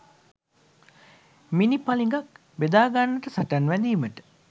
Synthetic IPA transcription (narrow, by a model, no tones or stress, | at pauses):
minipaliŋɡak | ʋed̪aːɡanːəʈəsaʈanʋæd̪iːməʈə̥